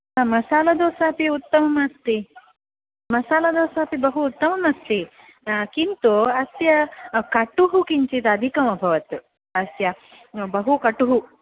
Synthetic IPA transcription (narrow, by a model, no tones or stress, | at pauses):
mɐsaːlɐd̪oːsaːpiut̪ːɐmɐmɐst̪i | mɐsaːlɐd̪oːsaːpibɐɦuːt̪ːɐmɐmɐst̪i | kint̪uɐsjɐkɐʈuɦukiɲt͡ʃit̪ɐɐd̪ʱikɐmɐbʱɐʋɐt̪ | ɐsjɐ | bɐɦukɐʈuɦu